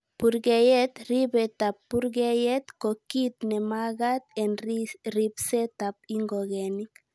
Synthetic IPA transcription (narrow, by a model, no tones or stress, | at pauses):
puɾɡejet̪ribet̪apːuɾɡejet̪kokit̪nemaɡat̪enripset̪ap̚iŋɡoɡenik